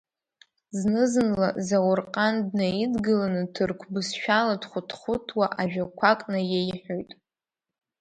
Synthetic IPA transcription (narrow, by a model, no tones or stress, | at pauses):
znɨzɨnla̰zawʊrqʼandnajidɡɨlanɨtʰɨrkʷʰbɨsʃᶣaladχʷʊtʰχʷʊtʰwaʔaʒᶣakʷʰakʼnajejħᶣojtʼ